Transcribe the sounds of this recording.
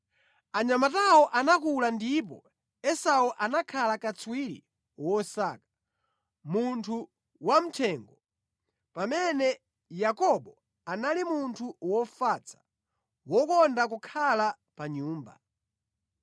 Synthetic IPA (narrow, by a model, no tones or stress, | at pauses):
aɲamatawɔʔanak̬ulandip̬ɔ̰ | ɛsauʔanakʰalakat͡swiɾḭ | wɔsakḁ | muntʰu | wam̩tʰɛːŋɡɔ | pamɛnɛ | jakɔɓɔ | analimuntʰuwɔfat͡sʰḁ | wɔkɔndak̬ukʰala | paɲuːmba̰